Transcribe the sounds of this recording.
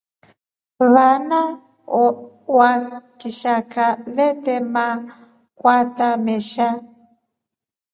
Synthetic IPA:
βana | wakiʃakaβɛtɛma | kwatamɛʃa

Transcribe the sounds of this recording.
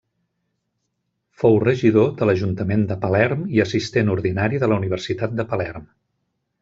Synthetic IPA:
fowrəʒiðod̪ələʒunt̪əmend̪əpəlɛrmiəsist̪enuɾðinaɾiðələuniβərsit̪at̪̚d̪əpəlɛrm

